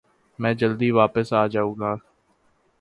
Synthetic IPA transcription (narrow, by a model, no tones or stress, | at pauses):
mɛ̃ːd͡ʒəld̪iːʋaːpəsaːd͡ʒaːũːɡaː